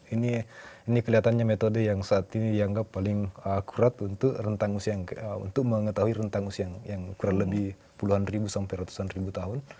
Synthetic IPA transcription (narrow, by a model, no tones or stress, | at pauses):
iniːnikəliɦat̪anɲamet̪odəjaŋsaːt̪inidiaŋɡapːalɪŋəkuɾat̪unt̪ʊkrənt̪aŋusiajaŋṵnt̪ʊk̚məŋət̪aɦuiɾənt̪aŋusiaŋjaŋkuɾanləbɪh | puluɦanribusampajɾat̪u̥sanribut̪aɦʊn